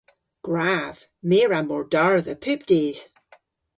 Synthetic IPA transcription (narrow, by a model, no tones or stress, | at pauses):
ɡ̥ɹav̥ | meɹamɔɹdaɹðəpʰʉp̚d̥ez̥